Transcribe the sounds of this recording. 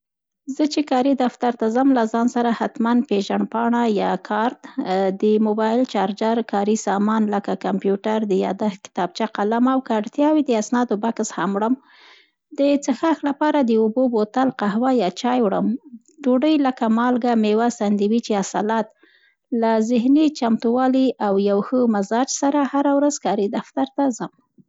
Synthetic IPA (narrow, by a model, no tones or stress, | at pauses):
zət͡ʃekɑɾid̪aft̪aɾt̪azamlazɑnsaɾahat̪manpeʒaɳpɑɳajɑkʰɑɾt̪d̪əmʊbɑjɪlt͡ʃɑɾd͡ʒaɾkɑɾisɑmɑnləkakampjuʈaɾd̪əjɑ̰d̪axkɪ̥t̪ɑb̚t͡ʃaqalamawkɑɾt̪jɑwid̪əasnɑd̪obakshamɽəm | d̪ət͡səxaxlapɑɾad̪əubobot̪alqaɦwajɑt͡ʃɑjwɽəm | d̪uɖəjləkamɑlɡamewasand̪iwit͡ʃeasalat̪̚ | lazɪhnit͡ʃamt̪uwɑliʔawjawxəmazɑd͡ʒsaɾahaɾawɾazkɑɾid̪aft̪aɾt̪azəm